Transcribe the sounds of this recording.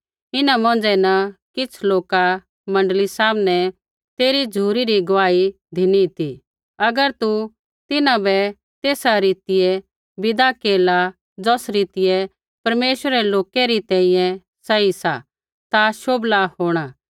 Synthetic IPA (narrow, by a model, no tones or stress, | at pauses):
ɪnãmɔ̃nd͡zɛnɐkɪt͡sʰloːka | mɐ̃ɳɖəlisaːmnɛ | t̪eːɾid͡ʒʱuːɾiɾiɡʋaːi | d̪ʱɪnit̪i | ɐɡəɾt̪u | t̪ɪnãbɛ | t̪eːsaɾiːt̪ɪjɛ | bɪd̪akeːla | d͡zɔːsɾiːt̪ɪjɛ | pɐɾmeːʃʋəɾɛloːkɛɾit̪ɛ̃ːĩjɛ̃ | sɐisa̰ | t̪aʃoːblaɦoːɽ̃aː